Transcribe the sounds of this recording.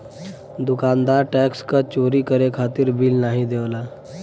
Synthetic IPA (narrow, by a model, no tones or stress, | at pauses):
d̪ʊkaːnd̪aːɾʈɛːkskat͡ʃoːɾikəɾekʰaːt̪iɾbilnaːɦĩd̪eʋlaː